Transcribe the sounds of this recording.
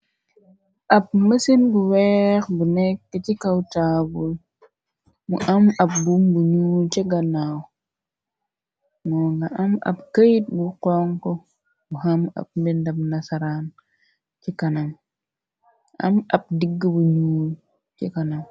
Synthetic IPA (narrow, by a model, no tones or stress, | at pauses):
ʔap̚masinbuwekbunekːit͡ʃikawtabul | muʔamap̚bumbuɲunt͡ʃeɡanaw | moŋɡaʔama̰pkajit̚buqoŋko | muhama̰p̚mbindabnasaɾan | t͡ʃikanam | a̰ma̰p̚diɡəbuɲuːn | t͡ʃikanam